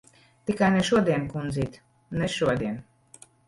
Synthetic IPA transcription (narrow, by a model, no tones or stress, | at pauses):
t̪ikanɛʃod̪enkunzit̪ | nɛʃod̪en